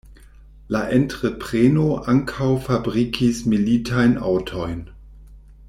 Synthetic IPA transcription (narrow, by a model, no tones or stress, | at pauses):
laʔentʁepʁ̥enoʔaŋkʰawfabʁikʰismilitʰajna̰wtʰojn